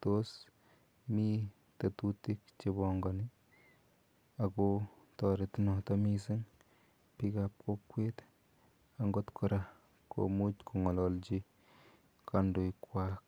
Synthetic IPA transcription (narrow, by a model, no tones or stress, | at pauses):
tos | mi | tatutik̚t͡ʃebɔŋɡɔni | ako | tɔɾetinɔtamisiŋ | pikap̚kʰokwet̪ | aŋɡot̪kʰɔɾa | kʰo̰mut͡ʃkʰuŋɔlɔlt͡ʃi | kandojkwak